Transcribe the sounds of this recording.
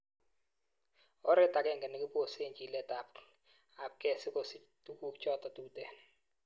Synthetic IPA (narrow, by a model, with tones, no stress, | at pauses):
ɔ˦ɾe˦ta˨kɛ˦˨ŋɡɛ˨nɛ˨kɪ˦po˦˨se˦˨nt͡ʃi˦lɛ˦˨ta˨p | a˨p̚kɛ˦˨sɪ˦kos | tu˦ku˦˨kt͡ʃɔ˦˨tɔ˨tu˦tɛ˦˨n